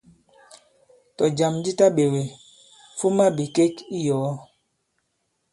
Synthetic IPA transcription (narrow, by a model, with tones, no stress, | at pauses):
tɔ˨d͡ʒa˨md͡ʒi˦ta˦ɓe˨we˨ | fu˦ma˦bi˨ke˦ki˦jɔ˨ɔ˦